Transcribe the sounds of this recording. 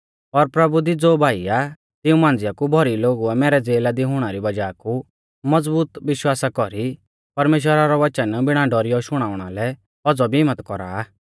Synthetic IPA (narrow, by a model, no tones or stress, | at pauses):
ɔɾpɾɐbud̪id͡zoːbʱaːija | t̪ɪũmãːnd͡zɪjakubʱɔɾiloːɡuɛmɛːɾɛd͡zeːlad̪iɦʊɽ̃aɾibɐd͡ʒaːku | mɐd͡zbuːt̪ʋɪʃwaːsakɔɾi | pɐɾmeːʃ̬wəɾaɾɔʋɐt͡ʃənbɪɽ̃aɖɔɾijɔʃʊɽ̃aːʊɽ̃a̰lɛ | ɔd͡zɔbʱiɪmːət̪kɔɾa̰ː